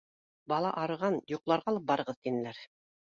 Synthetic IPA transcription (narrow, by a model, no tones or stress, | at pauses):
bɑlˠɑ̰ʔɑɾɤ̆ʁɑnjoqlˠɑɾʁɑːlˠɤp̚bɑɾɤ̆ʁɤðt̪inɘ̆læɾ